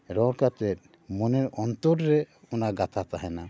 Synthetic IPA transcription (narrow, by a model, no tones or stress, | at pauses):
ɾɔɽkat̪ɛt̪̚ | mɔnɛɾɔnt̪ɔɾɾɛ | ɔnaɡat̪ʰat̪aɦɛna